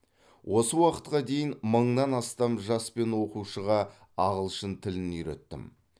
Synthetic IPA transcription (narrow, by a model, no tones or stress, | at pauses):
wʔo̞səwɑqə̥t̪̚qɑd̪e̞jɪnməɴnɑnɑst̪ɑmʒɑspe̞nwo̞quʃəʁɑ | ɑʁəlˠʃənt̪ʰɪlɪnʏjɾḛt̪ːɪ̰m